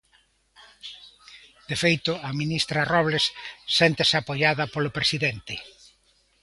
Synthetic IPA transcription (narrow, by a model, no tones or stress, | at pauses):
d̪̥efejt̪ʊɐminist̪ɾɐrɔβlesːent̪esapojaðɐpolʊpɾesiðent̪ɪ